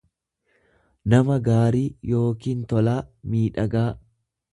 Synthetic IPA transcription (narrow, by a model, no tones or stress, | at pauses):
nɐmɐɡaːɾiːjo̞ːkiːnt̪ɔlaːmiːᶑɐɡaː